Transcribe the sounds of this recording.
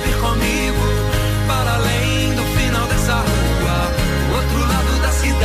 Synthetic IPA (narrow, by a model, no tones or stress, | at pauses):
vikõmi | ɡʊ | paɾalẽj̃ | d̪ʊfinawd̪esaɾɐlu | aɾ | ot̪ɾʊlad̪ʊd̪ɐsid̪